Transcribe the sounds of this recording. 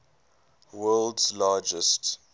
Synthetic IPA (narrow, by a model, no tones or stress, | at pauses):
wɜːldzlɑːd͡ʒəst